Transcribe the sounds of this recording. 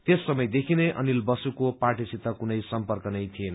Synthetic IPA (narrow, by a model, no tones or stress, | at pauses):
t̪esːʌmʌjd̪ekʰineʔʌ̰nilbʌsukopaʈisit̪ːʌkunʌjsʌmpʌrkʌnʌjt̪ʰienʌ